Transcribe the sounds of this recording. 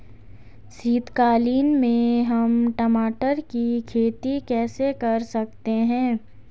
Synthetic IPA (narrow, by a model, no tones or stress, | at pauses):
siːt̪kaːliːnmẽɦɐmʈɐmaːʈəɾkikʰeːt̪ikɛːsekɐɾsɐk̚t̪eɦɛ̃ː